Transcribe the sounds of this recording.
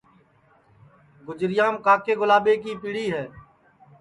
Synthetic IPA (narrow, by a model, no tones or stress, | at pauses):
ɡʊd͡ʒɾɪjaːmkaːkeːɡʊlaːɓeːk̬iːpiːɽiːɦɛː